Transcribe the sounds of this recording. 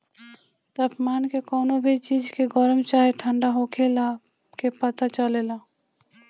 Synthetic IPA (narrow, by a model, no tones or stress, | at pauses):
t̪əpmaːnkekɔːnobʱit͡ʃiːd͡ʒkeɡɔɾəmt͡ʃaːɦeʈʰə̃ɳɖaɦoːkʰela | kepət̪at͡ʃəlelaː